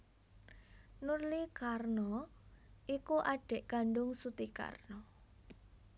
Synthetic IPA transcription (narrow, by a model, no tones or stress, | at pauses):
nurlikarnɔ | ʔikuʔaɖ̥ɛ̤ʔɡ̥aɳɖʊŋsut̪ika̰rnɔ